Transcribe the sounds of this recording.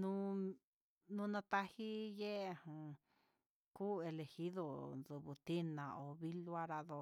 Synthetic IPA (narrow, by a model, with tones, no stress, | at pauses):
nũ˦ | nũ˧nã˧t̪a˦hi˦je˦˨hũ˨ | ku˦e˧le˧hi˦ðo˧ðu˨βu˨t̪i˦nã˨o˨βi˦lu˦a˦ɾa˧ðo˧